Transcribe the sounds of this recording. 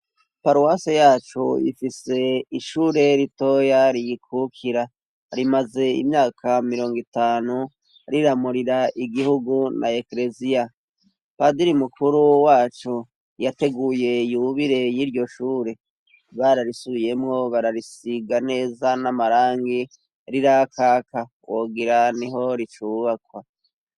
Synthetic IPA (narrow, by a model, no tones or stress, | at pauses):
paɾuwasejaːt͡ʃoḭfise̞iʃuːɾe̞ɾito̞jaɾijikʰukʰiɾa | ɾimaze̞ḭmɲaːkʰamiɾo̞ːŋɡitaːnu | ɾiɾamuɾiɾaʔiɡihuɡunʔa̰ekɾe̞zija | padiɾimukʰuɾuwaːt͡ʃo | jate̞ɡuːje̞juβiɾe̞jiɾɟo̞ʃuːɾe̞ | βaɾaɾisuje̞mŋo̞βaɾaɾisiɡane̞ːzanamaɾaːŋɡi | ɾiɾakʰaːka | wʔoɡiɾaniɦo̞ɾit͡ʃuːβakwa